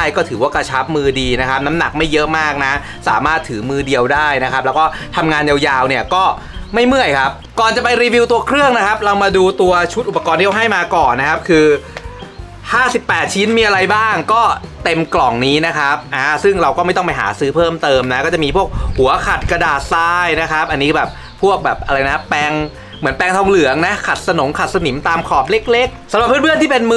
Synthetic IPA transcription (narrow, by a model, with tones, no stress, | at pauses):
aː˥˩jkɔː˥˩t̪ʰɯː˩˦waː˥˩kɾa˧t͡ɕʰa˦˥p̚mɯː˧diː˧na˦˥kʰa˦˥p̚na˦˥mna˨˩k̚ma˥˩jːɤ˦˥ʔmaː˥˩k̚na˦˥ | sa̰ː˩˦maː˥˩t̪ʰːɯː˩˦mɯː˧di˧əwdaː˥˩jna˦kʰa˦p̚lɛː˦˥wkɔː˥˩t̪ʰa˧mŋaː˧nja˧wjaː˧wni˥˩ɐkɔː˥˩ | ma˥˩jmɯ˥˩əjkʰa˦˥p̚kɔː˨˩nt͡ɕa˨˩pa˧jɾiː˧wi˧wt̪u˧ɐkʰɾɯ˥˩əŋna˦˥kʰa˦˥p̚ɾa˧wmaː˧duː˧t̪u˧ɐt͡ɕʰu˦˥t̪̚ʔu˨˩pːa˧kɔː˧nʰi˥˩ʔa˧ɦa˥˩jmaː˧kɔː˨˩nːa˦˥kʰa˦˥p̚kʰɯː˧ | haː˥˩si˨˩pːɛː˨˩t̪̚t͡ɕʰi˦˥nmiː˧ʔa˧ɾa˧jbaː˥˩ŋkɔː˥˩t̪e˧mklɔ˨˩ŋniː˦˥na˦˥kʰa˦˥p̚ʔaː˧˩sɯ˥˩ŋɾa˧wkɔː˥˩ma˥˩t̪ɔ˥˩pa˧jɦa̰ː˩˦sɯː˦˥pʰɤː˥˩mt̪ɤː˧mna˦˥kɔː˥˩t͡ɕa˨˩miː˧pʰu˥˩ək̚hu˨˩˦ɐkʰa˨˩t̪̚kɾa˧daː˨˩t̪̚saː˧˥jna˦˥kʰa˦˥p̚ʔa˧nːiː˦˥bɛː˨˩p̚ | pʰːu˥˩ək̚bɛː˨˩p̚ʔa˧ɾa˧jna˦˥pɛː˧ŋ | mɯ˩˦npɛː˧ŋt̪ʰɔ˧ŋlɯ˩˦əŋna˦˥kʰa˨˩t̪̚sa˧no˩˦ŋkʰa˨˩t̪̚sa˧ni˩˦mt̪aː˧mkʰɔː˨˩p̚le˦˥k̚le˦˥k̚sa˨˦mɾa˨˩p̚ʰːɯː˥˩nbʰɯ˥˩ənt̪iː˥˩pe˧nm˥